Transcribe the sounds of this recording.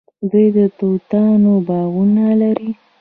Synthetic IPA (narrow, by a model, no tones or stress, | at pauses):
d̪əjd̪ət̪owt̪ɑnobɑɣunalaɾi